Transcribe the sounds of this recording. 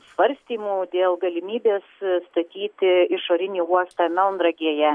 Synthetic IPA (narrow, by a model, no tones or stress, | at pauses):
sʋɐɾʲsʲt̪ʲiːmuːd̪ʲeːlˠɡɐlʲɪmʲiːbʲeːsst̪ɐt̪ʲiːt̪ʲɪɪʃoːɾʲɪnʲiːuɔst̪ɑmʲɛlˠnd̪ɾɐɡʲiɛjɛ